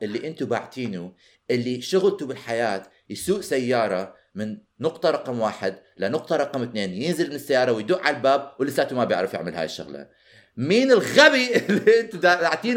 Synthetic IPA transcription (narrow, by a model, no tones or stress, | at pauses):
ʔɪlːiʔɪnt̪ubaʕt̪ʰiːnu | ʔɪlːiʃʊɣlt̪ubɪlħajaːt̪ | jsuːʔsajːɑːɾˤɑ | mɪnː | ʊqt̪ˤɑɾˤɑqɑmwaːħɪd̪lanʊq̚t̪ˤɑɾˤɑqɑmɪt̪neːnjɪnzɪlmɪnɪsːajːɑːɾˤɑwɪjd̪uːʔʕallbaːbwɪlːɪsaːt̪umabjɪ̰ʕɾɪfjɪ̰ʕmɪlha̰j̰ʃːʊ̰ɣla̰ | miːnɪlɣabiɪlːiɪnt̪ud̪aaʕt̪iːn